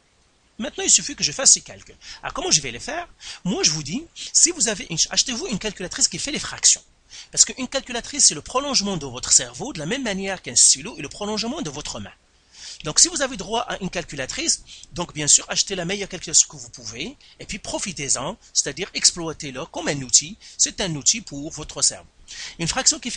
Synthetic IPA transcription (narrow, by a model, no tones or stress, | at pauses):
mɛ̃t̪nɑ̃ilsyfykəʒəfasːeka̰lkʲyla̰ʁkɔmɑ̃ʒəvɛlefɛːʁmwaʒəvud̪isivuzaveʔynaʃt̪evuynkalkʲylat̪χiskʲifɛlefχaksjɔ̰̃ | paʁsə̥kəʔynkalkʲylat̪χisːɛləpχɔlɔ̃ʒmɑ̃d̪əvɔt̪χəsɛʁvod̪əlamɛmːanjɛʁkɛ̃st̪iloeləpχɔlɔ̃ʒmɑ̃d̪əvɔt̪χəmɛ̰̃ | d̪ɔ̃ksivuzaved̪ʁwaʔaʔynkalkʲylat̪χisd̪ɔ̃kbjɛ̃syːʁaʃt̪elamejœʁkalkʲylasjɔ̃kəvupuveepɥipχɔfit̪ezɑ̃se̥t̪ad̪iːʁɛksplwat̪eləkɔmɛ̃nut̪ʰisɛt̪ɛ̃nut̪ipʰuʁvɔt̪χəsɛ̰ʁvo̰ynfχaksjɔ̃kʲif